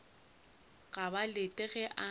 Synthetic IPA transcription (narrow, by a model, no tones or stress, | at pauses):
ɣabalɪtʼɛɣɛʔa